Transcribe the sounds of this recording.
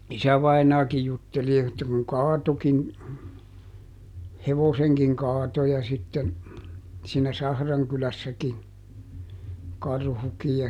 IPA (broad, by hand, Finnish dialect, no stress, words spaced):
isæʋɑinɑːkij jutːeli etːæ kuŋ kɑːtokin heʋoseŋkiŋ kɑːto jɑ sitːen siːnæ sɑhrɑŋkylæsːækin kɑrhukij jɑ